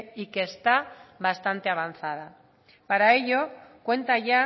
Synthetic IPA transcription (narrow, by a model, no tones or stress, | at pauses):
ikeːst̪aβast̪ant̪e̞aβ̞anθað̞a | paɾae̞ʎo̞kwe̞nt̪aʝa